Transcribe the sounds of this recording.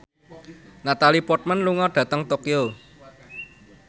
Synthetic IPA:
nat̪alipɔt̪̚manluŋɔɖ̥ä̤t̪əŋt̪okio

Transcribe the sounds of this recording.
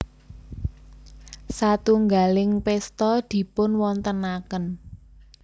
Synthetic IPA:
sat̪uŋɡalɪŋpɛst̪ɔd̪̥i̤pʊnwɔnt̪ənakən

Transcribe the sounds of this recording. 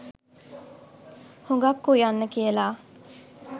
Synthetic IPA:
huŋɡakːujanːəkiəlaː

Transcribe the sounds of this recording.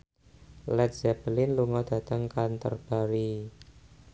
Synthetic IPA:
lɛt̪̚z̥ɛbəlɪnluŋɔd̥a̤t̪əŋkant̪ə̰rb̥aɾi

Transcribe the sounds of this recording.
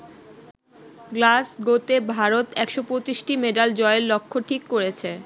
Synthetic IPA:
ɡlasɡot̪ebʱaɾot̪ɛkʃopɾot͡ɕiʃʈimeɖald͡ʑɔeellokʰːoʈʰikːoɾet͡ɕʰe

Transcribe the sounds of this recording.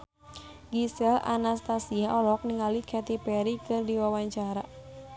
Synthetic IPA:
ɡisɛla̰nast̪asiaʔɔlɔk̚niŋalikʰɛt̪ipɛɾikɨrdiwawaɲt͡ʃaɾa

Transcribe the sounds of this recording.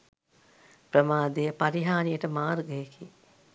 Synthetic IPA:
pɾəmaːd̪ejəpaɾiɦaːnijəʈəmaːrɡəjeki

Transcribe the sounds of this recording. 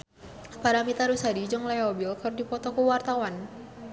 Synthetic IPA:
paɾamit̪aɾusadid͡ʒɨŋlajɔbilkɨrdipɔt̪ɔkuwart̪awan

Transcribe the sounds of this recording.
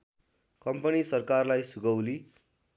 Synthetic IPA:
kʌmpʌnisʌrkarlajsuɡʌwli

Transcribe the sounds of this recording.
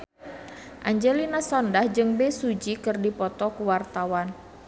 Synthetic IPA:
ʔaɲd͡ʒɛlinasɔndahd͡ʒɨŋbɛsud͡ʒikɨrdipɔt̪ɔkuwart̪awan

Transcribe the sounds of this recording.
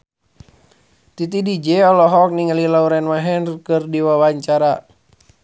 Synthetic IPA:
t̪it̪̬idid͡ʒɛɔlɔɦɔk̚niŋalilauɾɛnmaɦɛnrkɨrdiwawaɲt͡ʃaɾa

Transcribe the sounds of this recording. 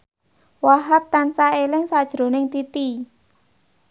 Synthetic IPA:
waɦap̚t̪ant͡ʃaelɪŋsad̥ʒ̥ɾo̤nɪŋt̪it̪i

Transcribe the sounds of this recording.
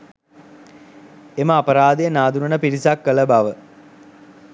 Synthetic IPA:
eməapəɾaːd̪ejənaːd̪unənəpiɾisakːələbaʋə

